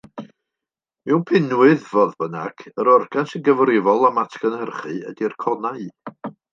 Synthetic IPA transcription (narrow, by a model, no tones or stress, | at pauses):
miwnpʰɪnwɨðvɔðbəna̰ɡ̥əɾɔrɡansɪnɡəvrɪvɔlˠamatʰɬənhɛrχɨədirkʰɔnaɨ